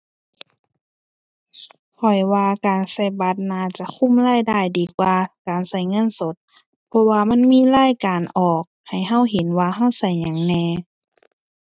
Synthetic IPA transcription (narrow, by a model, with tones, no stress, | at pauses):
kʰɔ˨˩jwaː˧kaː˨˩nsa˧˩jba˧˦t̪̚naː˧˩t͡ɕa˧˦kʰu˧˥˨mlaː˧˥˨jdaː˧˩˨jdiː˨kwaː˧kaː˨nsa˧˩jŋɤ˧˥˨nso˧˦t̪̚ | pʰɔ˧waː˧ma˧˥˨nmiː˧˥˨laː˧˥˨jkaː˨nʔɔː˨˩k̚ha˨˩jɦa˧˥˨wɦe˨˦nwaː˧ɦa˧˥˨wsa˧˩jɲa˨˦ŋnɛː˧